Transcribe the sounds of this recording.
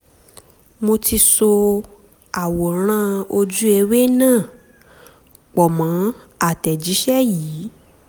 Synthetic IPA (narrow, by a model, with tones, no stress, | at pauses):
mo˧ti˧so˧ | a˨wo˨ɾ̃ã˦o˧d͡ʒu˦e˧we˦nãː˦˨ | k͡pɔ˨mã˨˦ | a˦˨tɛ˨d͡ʒi˨˦ʃɛ˦jiː˨˦